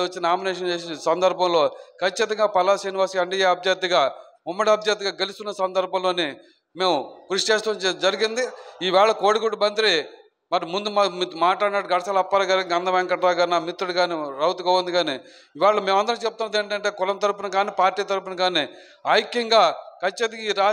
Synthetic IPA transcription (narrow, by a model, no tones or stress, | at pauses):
ɐt͡ʃːinaːmineːʂ̬ɐnt͡ʃeːssɐnd̪ɐɾbʱɐmlo̞ːkʰɐt͡ʃːit̪ɐŋɡaːpɐlaːsiːniʋaːskiɐɳɖijeːɐbʱjɐt̪iɡaː | umːɐɽiɐbʱjɐːt̪̬iɡaːɡelist̪unːɐsɐnd̪ɐɾbʱɐmlo̞ːni | me̞ːmukɾuʂt͡ʃeːst̪uːnd͡ʒɐɾiɡind̪iiʋaːɭɐkoːɽikoʈːubɐnt̪ɾi | mɐɾimund̪umɐmit̪maːʈlaːɽnɐːɽuɡɐɽɐsaːlɐpːɐɾɐɡaːɾɡɐnd̪ɐʋɛːŋkɐʈɾaːɡaːɾnaːmit̪ɾuɽiɡaːniɾɐwt̪uɡɐɐnd̪iɡaːni | iʋaːɭːɐme̞ːmɐnd̪ɐɾnt͡ʃep̚t̪unːɐd̪eːɳʈɐɳʈe̞ːkʊlɐmt̪ɐɾup̬unɐɡaːnipaːɾʈiːt̪ɐɾupunɐɡaːni | aːjikjɐŋɡaːkʰɐt͡ʃːit̪ɐŋɡaiːɾaː